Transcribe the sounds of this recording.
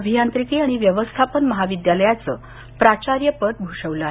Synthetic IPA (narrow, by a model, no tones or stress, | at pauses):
bʱijant̪ɾikiːaɽ̃iʋjəʋəst̪ʰapənməɦaʋid̪jaləjat͡sə̰ | pɾat͡ɕaɾjəpət̪̚bʱuʂəʋla